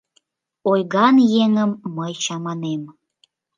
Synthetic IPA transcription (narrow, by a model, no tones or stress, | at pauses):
ojɣɑnjeŋəmːəjt͡ɕɑmɑnem